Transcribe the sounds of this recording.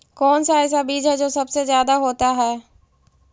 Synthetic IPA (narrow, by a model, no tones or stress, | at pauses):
kɔːnsaɛːs̬abiːd͡ʒɦɛd͡ʒoːsɐbsezjaːd̪aɦoːt̪aɦɛː